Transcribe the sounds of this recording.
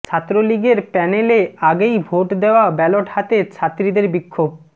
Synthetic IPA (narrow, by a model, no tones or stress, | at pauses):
t͡ɕʰat̪ːɾoliɡeɾpɛneleaɡejbʱoʈd̪eoabɛloʈhat̪et͡ɕʰat̪ːɾid̪eɾbikʰːob̚